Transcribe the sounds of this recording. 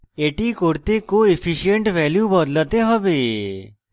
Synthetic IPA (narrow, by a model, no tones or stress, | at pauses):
eʈikoɽt̪ekoefʰiʃijəɳʈʋɛljubəd̪lət̪eɦəʋe